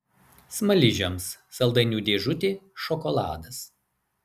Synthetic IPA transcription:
smɐlʲɪʒʲomsːɐlˠd̪ɐɪnʲuːd̪ʲeːʒʊt̪ʲeːʃɔkɔlˠɑ̰ːd̪ɐs

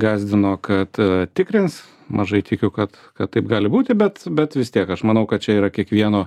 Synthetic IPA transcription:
ɡɑːzʲd̪ʲɪnoːkɐt̪t̪ʲɪkɾʲɪns | mʔɐʒɐɪt̪ʲɪkʲʊkɐt̪ | kɐt̪ːɐɪpɡɑːlʲɪbuːt̪ʲɪbʲɛt̪bʲɛt̪ʋʲɪst̪ʲiɛkɐʃmɐnɐʊkɐt̪t͡ʃʲɛiːɾɐkʲiɛkʋʲiɛnoː

